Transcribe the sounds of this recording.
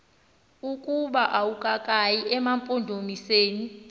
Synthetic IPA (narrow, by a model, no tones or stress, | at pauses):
ukʼuɓaʔawukʼakʼajiʔɛmampʼondʱomiseːni